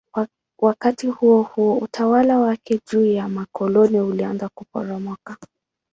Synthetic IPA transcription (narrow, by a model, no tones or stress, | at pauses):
wakatihuɔhuɔutʰawalawakɛd͡ʒuːjamakʰɔlɔniulianzakupɔ̰ɾamwaka